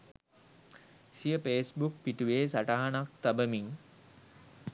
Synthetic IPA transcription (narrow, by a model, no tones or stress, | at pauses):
sijəpeːsbuk̚piʈuʋeːsaʈaɦanak̚t̪abəmiŋ